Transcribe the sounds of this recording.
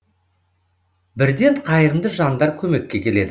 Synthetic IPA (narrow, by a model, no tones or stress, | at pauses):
bɪɾd̪e̞ɴqʰɑjəɾəmd̪əʒɑnd̪ɑɾkʲʰɵme̞kʲːe̞kʲʰe̞le̞d̪ɪ